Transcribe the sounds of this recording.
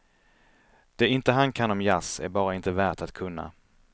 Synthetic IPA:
d̪̥ɛɪnt̪əɦankʰanɔmjasæ̰ɾbɑːɾaɪnt̪əvæːʈat̪kʰɵnːa̰

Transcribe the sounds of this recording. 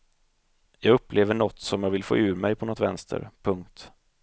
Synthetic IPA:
jɑːɡɵpːleːvəɳɔt̪ːsɔmjɑːɡvɪlfo̰ːʉ̟ːɾmɛjpʰɔnɔt̪vɛnst̪ʰə̰ɾpʰɵŋk̚t̪

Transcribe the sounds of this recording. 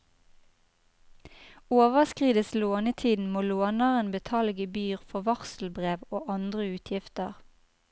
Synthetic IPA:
oːʋəʁskʁiːd̪əsloːnət̪ʰiːd̪n̩moːloːnəʁənbət̪ʰɑlɡəbyːʁfɔʋɑʁsl̩bʁeːʋoːʔɑnd̪ʁəʉːt̪ʰjɪft̪əʁ

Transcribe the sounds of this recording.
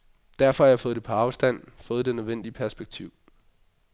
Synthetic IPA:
d̥æɐfɒ̽hɑjɪfɔ̽ːð̥ˠe̝pʰɒɑ̈ʊsd̥æn̰fɔ̽ːð̞̩ˠd̥e̝nøðˠʋen̰d̥iəpʰæɐsb̥eɡ̥̚t͡sʰiʊ̰

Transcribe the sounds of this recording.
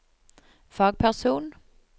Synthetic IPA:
fɑːɡ̚pʰæʁsuːn

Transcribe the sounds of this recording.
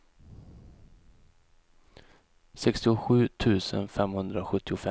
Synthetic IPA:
sɛkst̪ɪʊɧʉ̟ːt̪ʰʉ̟ːsə̰nfɛmhɵnd̪ɾaɧɵt̪ʰːɪʊfɛ

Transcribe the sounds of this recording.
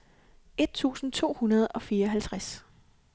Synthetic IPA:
e̝d̥̚t͡sʰṵːsn̩t͡sʰo̝̰ːhunɐð̞̩ˠɒ̽fiːɐɒ̽ɦælt͡sʰʁas

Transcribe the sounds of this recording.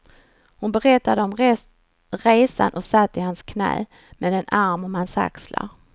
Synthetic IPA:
hʊnbɛɾɛt̪ːad̪əɔm | ɾeːsa̰nʔɔsat̪ːɪhanskʰnɛ̰ː | mɛd̪ɛnʔaɾmɔmansa̰ksla̰ɾ

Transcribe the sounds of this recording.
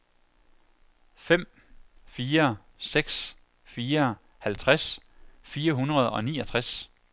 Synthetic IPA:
fem̰ | fiːɐ | seɡ̥s | fiːɐ | hælt͡sʰʁasfiːɐɦunʁɐðˠɒ̽nḭːʌt͡sʰʁas

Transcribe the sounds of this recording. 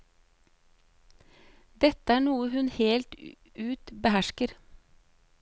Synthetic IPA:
d̪ɛt̪əæːɳuːəhʉnheːlt̪ | ʉːt̪bəhæʃkəɾ

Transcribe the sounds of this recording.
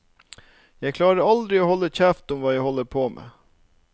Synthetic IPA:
jæɪkʰlɑːɾəɾɑld̪ɾɪoːhɔlːəçæːft̪ʊmʋɑːjæɪhɔlːəpʰoːmʔḛː

